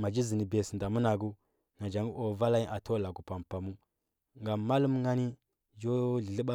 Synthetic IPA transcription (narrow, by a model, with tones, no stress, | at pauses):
ma˨d͡ʒi˦zi˨ni˨be˨snda˨mu˦na˨ɡu˦ | na˨d͡ʒa˨ŋɡu˦ʔo˨va˦la˦ji˦ʔa˨tʰo˦la˨ɡu˨pa˨mpa˨mu˦ | ŋɡa˨ma˦lu˦m˦ŋa˦ni˦ | d͡ʒo˦ɮi˨ɬi˦ɓa˦